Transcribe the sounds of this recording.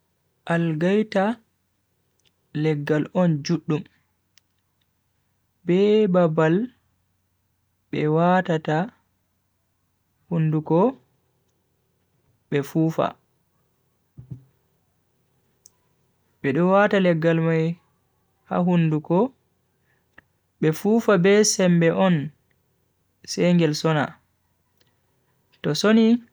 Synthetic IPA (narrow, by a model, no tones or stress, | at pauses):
ʔalɡajta | lɛɡːalʔɔnd͡ʒuɗːum | bɛbabal | ɓɛwatata | hundukɔ | ɓɛfuːfa̰ | ɓɛɗɔwatalɛɡːalmaj | ha̰ɦundukɔ | ɓɛfuːfabɛsɛmbɛʔɔn | sɛŋɡɛlsɔna̰ | tɔsoni